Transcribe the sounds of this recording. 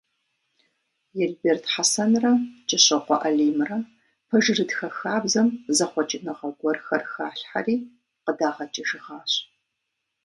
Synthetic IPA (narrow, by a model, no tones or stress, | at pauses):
jɛɮbeːrtʰħasɐnrɐt͡ʃʼɪɕʼɐqʷɔʔɐɮiːmrɐ | pʰɐʒɨrɨdxɐxaːbzɐmzɐχʷɔt͡ʃʼɪnɐʁɐɡʷɔrxɐrxaːɬħa̰riː | qədaːʁɐt͡ʃʼɪʒɨʁaːɕ